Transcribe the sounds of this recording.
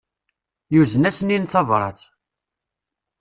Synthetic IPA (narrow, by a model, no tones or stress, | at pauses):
juzənæsəninθɑvɾˤɑ̰t͡s̪